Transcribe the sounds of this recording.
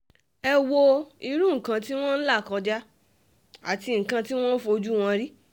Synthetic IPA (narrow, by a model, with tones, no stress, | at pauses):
ɛ˧wo˧i˧ɾũ˦ŋ̩˨kã˧ti˦w̃ɔ̃˦n̩˦la˦˨kɔ̃˧d͡ʒa˦ | a̰˨ti˧ŋ̩˨kã˧ti˦w̃ɔ̃˦n̩˦fo˧o˧d͡ʒu˦w̃ɔ̃˧ɾi˦